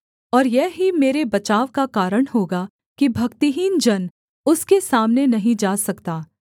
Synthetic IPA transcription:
ɔːɾjɛɦimeːɾebɐt͡ʃaːʋkakaːɾəɽ̃ɦoːɡa | kibʱɐkt̪iɦiːnd͡ʒɐn | ʊskesaːmnenɐɦĩd͡ʒaːsɐkt̪aː

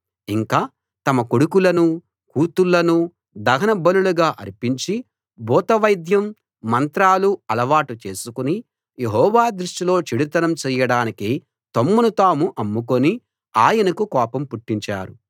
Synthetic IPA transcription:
iŋkaː | t̪ɐmɐkoɽukulɐnu | kuːt̪ulːɐnu | d̪ɐɡɐnɐbɐluluɡaːʔɐ̰ɾipiɲt͡ʃi | bɔːt̪ɐʋɐjd̪jɐmː | ɐnt̪ɾaːluɐlɐʋaːʈut͡ʃe̞ːsukuni | je̞ɦɔːʋaːd̪ɾuʂʈilo̞ːt͡ʃiɽit̪ɐnɐmt͡ʃɛːjɐɽaːniki | t̪omːunut̪aːmuʔɐmːukoni | aːjɐnɐkukɔːpɐmpuʈːiɲt͡ʃa̰ːɾṵ

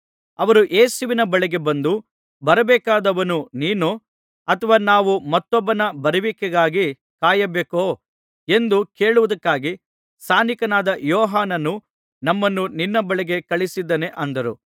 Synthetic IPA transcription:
ɐʋɐɾuʔeːsuʋinɐbɐɭɛɡe̞bɐnd̪u | bɐɾɐbɛːkaːd̪ɐʋɐnuniːnu | ɐt̪ʰɐʋaːnaːʋumɐt̪ːɔbːɐnɐbɐɾiʋikːɛɡaːɡi | kaːjɐbeːkoː | e̞nd̪uke̞ːɭuʋɐd̪ɐkːaːɡi | st̪ʰaːnikɐnaːd̪ɐjɔːɦaːnɐnu | nɐmːɐnːuninːɐbɐɭɛɡe̞kɐɭisid̪ːɐne̞ʔɐnd̪ɐɾṵ

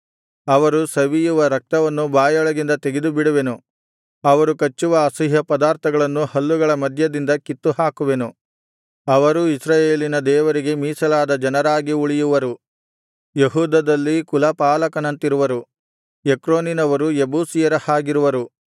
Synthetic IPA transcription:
ɐʋɐɾusɐʋijuʋɐɾɐk̚t̪ɐʋɐnːubaːjɔɭɐɡind̪ɐt̪e̞ɡed̪ubiɽuʋe̞nu | ɐʋɐɾukɐt͡ʃːuʋɐːsiɦɐpɐd̪aːɾt̪ʰɐɡɐɭɐnːuhɐlːuɡɐɭɐmɐd̪ʱjɐd̪ind̪ɐkit̪ːuhaːkuʋe̞nu | ɐʋɐɾuisɾaːjeːlinɐd̪ɛːʋɐɾiɡe̞miːsɐlaːd̪ɐd͡ʒɐnɐɾaːɡiuɭijuʋɐɾu | jeɦuːd̪ɐd̪ɐlːikulɐpaːlɐkɐnɐnt̪iɾuʋɐɾu | ekɾoːninɐʋɐɾujebuːsijɐɾɐhaːɡiɾuʋɐɾu

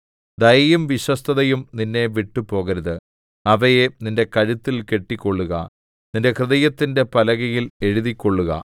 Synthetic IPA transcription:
d̪ɐjjumʋiɕwɐst̪ʰɐðɐjumninːe̞ʋiʈːupo̞ːɣɐɾuðɨ | ɐʋɐjeninde̞kɐɻut̪ːilke̞ʈːikʲːo̞ɭːuɣɐ̰ | ninde̞krɨðɐjɐt̪ːinde̞pɐlɐɣɐjile̞ɻuðikʲːo̞ɭːuɣɐ̰

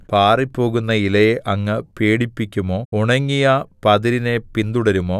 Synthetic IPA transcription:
paːripːo̞ːɣunːɐilɐjeʔɐŋːɐpeːɽipːikʲːumoːuɳɐŋːijapɐðiɾine̞pind̪uɽɐɾumo̞ː

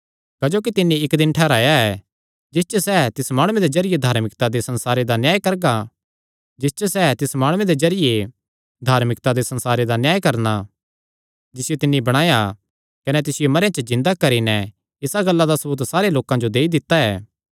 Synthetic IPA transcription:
kad͡ʒoːkit̪ɪnːiɪkd̪ɪnʈʰɛːɾaːjaɛ | d͡ʒɪst͡ʃəsɛt̪ɪsmaːɽ̃ʊ̃ẽd̪ed͡ʒɐɾɪjed̪ʱaːɾmɪkt̪ad̪esɐ̃nsaːɾed̪anjaːjkɐɾɡa | d͡ʒɪst͡ʃəsɛt̪ɪsmaːɽ̃ʊ̃ẽd̪ed͡ʒɐɾɪje | d̪ʱaːɾmɪkt̪ad̪esɐ̃nsaːɾed̪anjaːjkɐɾna | d͡ʒɪsɪjot̪ɪnːibɐɽ̃aːja | kɐnɛt̪ɪsɪjomɐɾejãt͡ʃəzɪ̃nd̪akɐɾinɛ | ɪsaɡɐlːad̪asɐbuːt̪saːɾeloːkãd͡ʒod̪eːid̪ɪt̪ːaɛː

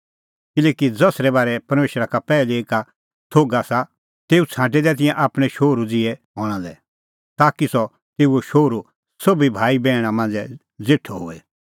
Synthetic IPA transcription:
kɪlɛːkid͡zɐsɾɛbaːɾɛpɐɾmeːʃɾakapɛːlieːka | t̪ʰoːɡasa | t̪eːut͡sʰãːʈ̬ɛd̪ɛt̪̬ɪ̃jɛ̃ʔaːpɽ̃ɛʃoːɾud͡zɪɛɦɔːɽ̃ãd̪ɛ | t̪aːkisɔ | t̪eːuɛʃoːɾu | sɐbibʱaːibɛːɽ̃ãmɐ̃nd͡zɛ | d͡zeʈʰoɦʊɛ

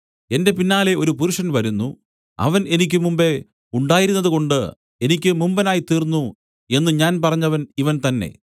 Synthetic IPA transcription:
e̞nde̞pinːaːle̞o̞ɾupuɾuʂɐnʋɐɾunːu | ɐ̰ʋɐne̞nikʲːɨmumbe̞ | uɳɖaːjiɾunːɐðɨko̞ɳɖɨ | e̞nikʲːɨmumbɐnaːjit̪iːrnːu | e̞nːɨɲaːnpɐrɐɲːɐʋɐniʋɐnt̪ɐnːe̞̰

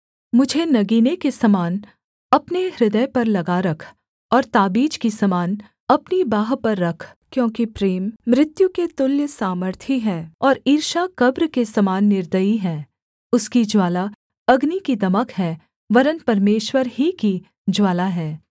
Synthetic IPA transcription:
mʊd͡ʒʱenɐɡiːnekesɐmaːn | ɐpneɾɪd̪əjpɐɾlɐɡaɾɐkʰ | ɔːɾt̪aːbiːd͡ʒkisɐmaːn | ɐpnibaːɦpɐɾːɐkʰkjõːkipɾeːmːɾɪt̪juket̪ʊljəsaːməɾt̪ʰiɦɛ̃ːɔːɾiːɾʃakɐbɾkesɐmaːnːɪɾd̪əiɦɛ̃ː | ʊskid͡ʒwaːla | ɐɡnikid̪ɐməkɦɛ | ʋɐɾənpɐɾmeːʃwəɾɦiki | d͡ʒwaːlaɦɛː

